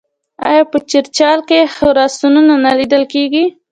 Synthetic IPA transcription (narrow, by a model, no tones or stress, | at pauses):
ɑ̰jɑpət͡ʃɪɾt͡ʃɑlkexəɾɑsununanalid̪əlkeɡi